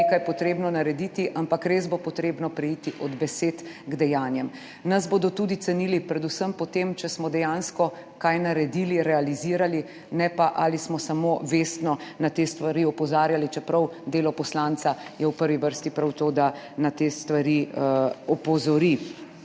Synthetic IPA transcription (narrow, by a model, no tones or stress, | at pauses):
ekajpɔt̪ɾeːbnɔnaɾɛd̪it̪iʔampakɾezbopɔt̪ɾeːbnɔpɾɛjiːt̪iʔɔd̪bɛseːt̪ | ɡd̪ɛjaːnjɛm | nɐzboːd̪ɔt̪uːd̪it̪sɛniːlipɾɛd̪usəmpɔt̪emt͡ʃɛsmɔd̪ɛjaːnskɔ | kajnaɾɛd̪iːliɾɛaliziːɾali | nɛpaʔalismɔsamoʋest̪nɔnat̪est̪ʋaɾiɔpɔzaːɾjalit͡ʃɛpɾɐwd̪eːlɔpɔslant̪sajɛwpəɾʋiʋəɾst̪ipɾawt̪oːd̪a | nat̪eːst̪ʋaɾi | ɔpɔzɔɾi